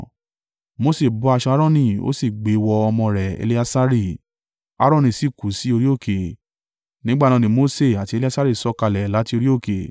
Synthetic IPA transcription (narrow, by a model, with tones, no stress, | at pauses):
mo˦se˦˨bu˨˦a˧ʃɔ˧a˦ɾɔ̃˦˨nĩ˧˨o̰˦si˦˨ɡ͡be˨˦wɔ˧ɔ˧mɔ̃˧ɾɛ˨ḛ˧li˦a˧sa˦ɾi˦˨ | a̰˦ɾɔ̃˦˨nĩ˧˨si˦˨ku˨˦si˨˦o˧ɾi˦o˦˨kʰe˨ | nĩ˦ɡ͡ba˦˨nã˧nĩ˧mo˧˦se˦˨a˨ti˧e˧li˦a˦sa˦ɾi˦˨sɔ˨˦ka˧lɛ˨la˨˦ti˧o˧ɾi˦o˦˨ke˨